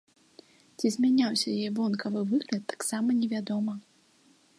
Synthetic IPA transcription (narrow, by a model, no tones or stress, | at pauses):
t͡sʲizʲmʲanʲawsʲɐjɛvɔnkɐvɨvɨɣlʲɐt̪ːḁksamɐnʲɛvʲad̪ɔmɐ